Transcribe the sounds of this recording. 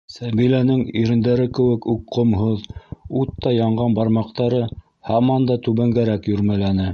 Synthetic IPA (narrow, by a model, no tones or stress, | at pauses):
sæβilænɘŋiɾɘ̆nd̪æɾɘkɘ̆wɘ̆kukqːŏmɦoðut̪ːɑjɑɴʁɑnbɑɾmɑqt̪ɑɾɤ | hɑmɑnd̪ɑt̪ʉβæŋɡæɾækjɵ̆ɾmælænɘ